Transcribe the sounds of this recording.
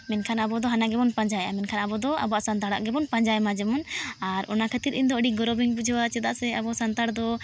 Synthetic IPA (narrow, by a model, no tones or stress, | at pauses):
mɛnkʰanabɔd̪ɔɦanaɡɛbɔnpaɲd͡ʒaja̰mɛnkʰanabɔd̪ɔa̰bɔaʔsant̪aɽaʔɡɛbɔnpaɲd͡ʒajmad͡ʒɛmɔnaɾɔ̰nakʰat̪iɾiɲd̪ɔəɖiɡɔɾɔbiŋbud͡ʒʱɔwat͡ʃɛd̪aʔsɛabɔsant̪aɽd̪ɔ